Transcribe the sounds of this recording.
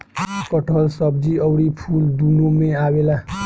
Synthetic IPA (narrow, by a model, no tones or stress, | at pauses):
kəʈʰəlsʌb̚d͡ʒiəwɾipʰuld̪unomeabela